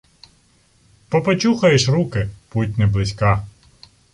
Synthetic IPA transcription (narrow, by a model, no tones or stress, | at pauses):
pɔpɐt͡ʃuxɐjeʃrukɪput̚ʲnɪblˠɪsʲkɑ